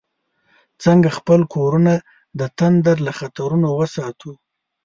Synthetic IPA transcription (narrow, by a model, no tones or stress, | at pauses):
t͡səŋɡaxpəlkʰoɾuna | d̪ət̪and̪aɾlaxat̪aɾunowəsɑt̪ʰu